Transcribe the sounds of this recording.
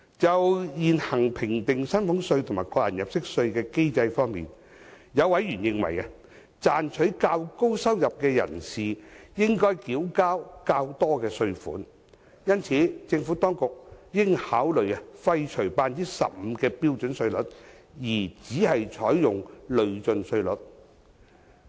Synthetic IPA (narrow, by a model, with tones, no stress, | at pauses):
t͡sɐ˨wjiː˨nhɐ˨˩ŋpʰɪ˨˩ŋt̪ɪ˨ŋsɐ˥nfʊ˨˥ŋsɵ˧ɥt̪ʰmaː˨jkɔː˧k̚jɐ̰˨˩njɐ˨p̚sɪ˥k̚sɵ˧ɥkɛː˧ke˥jt͡sɐ˧jfɔː˥ŋmḭː˨n | jɐ˨˧wɐ˨˧˥jɥyː˨˩njɪ˧ŋwɐ̰˨˩jɐ˧ | t͡saː˨nt͡ʃʰɵ˨˥ɥkaː˧wko˥wsɐ˥wjɐ˨p̚kɛː˧jɐ̰˨˩nsiː˨jɪ˥ŋkɔː˥jkiː˨˥wkaː˥wkaː˧wt̪ɔː˥kɛː˧sɵ˧ɥfṵː˨˥n | jɐ˥nt͡sʰiː˨˥t͡sɪ˧ŋfuː˨˥t̪ɔː˥ŋkʊ˨k̚jɪ˥ŋhaː˨˥wlɵ˨ɥɐ˧fɐ˧jt͡ʃʰɵ˨˩ɥpaː˧ntiː˥sɐ̰˨p̚m̩˨˧kɛː˧piː˥wt͡ʃɵ˨˥nsɵ˧ɥlɵ˨˥t̚ | jiː˨˩t͡siː˨˥hɐ˨jt͡ʃʰɔː˨˥jːʊ˨ŋlɵ˨˧ɥt͡sɵ˧nsɵ˧ɥlɵ˨˥t̚